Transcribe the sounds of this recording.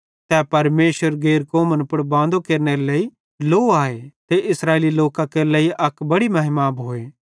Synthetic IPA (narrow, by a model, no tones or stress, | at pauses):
t̪ɛːpɐɾmeːʃwəɾɡeːɾkoːmə̃npʊɽbãːnd̪okeːɾneɾeleːi | loːaːet̪eʔɪsɾaːeːliloːkãkeleːiʔɐkbɐɽimɐɦɪmaːbɦoːeː